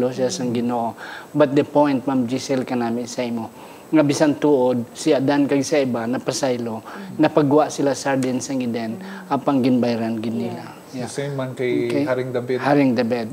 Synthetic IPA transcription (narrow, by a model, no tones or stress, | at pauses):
losasɐŋɡɪnoʔobɐt̪̚d̪ɐpojnt̪̚mamd͡ʒisɛlkɐnaːmɪnsɐʔimo | ŋɐbɪsant̪uʔod̪̚siad̪ankɐɡsɐɪbanɐpɐsajlonɐpɐɡʊwaʔsɪlasaɾd̪ɪnsɐŋɪd̪ɛn | aːpɐŋɡɪnbajɾanɡɪnːiːla | jamankɐjkhaɾɪŋd̪ɐbɛhaɾɪŋd̪ɐbɛd̪̚